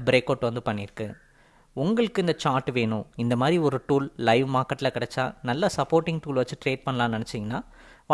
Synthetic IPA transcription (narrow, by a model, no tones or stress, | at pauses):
bɪɾeːkːoːʈːʋɐnd̪ɯpɐɳːɪɾɯkːɯ | ʊŋɡɐɭɯkːɯɪnd̪ɐt͡ʃaːɾʈːʋeːɳʊ̃ɪnd̪ɐmaːd̪ɾiɔɾɯʈuːllɐɪʋmaːɾkɐʈːɪlɐkɪɽɛt͡ʃːa̰ːnɐlːasɐpːoːɾʈɪŋɡʈuːlʋɐt͡ʃːɯʈɾeːʈ̚pɐɳːɐlãːnɪnɛt͡ʃːɪŋɡɐnːaː | ʋ